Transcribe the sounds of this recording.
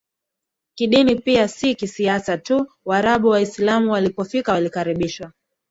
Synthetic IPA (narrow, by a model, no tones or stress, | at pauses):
kiɗinipiasikisiasatu | waɾaɓuwaislamuwalipɔfikawalikaɾiɓiʃwa